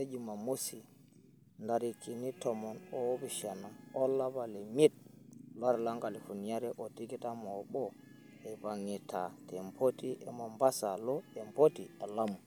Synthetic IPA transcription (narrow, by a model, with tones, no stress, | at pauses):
e˦d͡ʒima˨mo˦si˨ | nda˨ɾi˨ki˨ni˦tɔmɔ˨nɔ˦bi˨ʃa˨na˨ɔ˦lːa˦ba˨lɛ˨mi˦t̚la˦ɾla˦ŋɡa˨li˨fu˨nija˦ɾɛʔo˨ti˦ki˦ta˦mɔɓɔ˦ | ɛ˨ba˨ŋːi˨ta˨tɛ˨mpʰo˦ti˦ʔɛ˨ma˨mba˦salɔ˦ɛ˨mpo˦tiɛ˨la˦mu˨